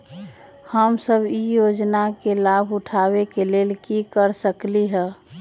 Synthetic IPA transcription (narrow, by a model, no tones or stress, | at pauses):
həmsəbʱijod͡ʒnakelabʱʊʈʰawekeleːlkikəɾsəkliɦɛ̃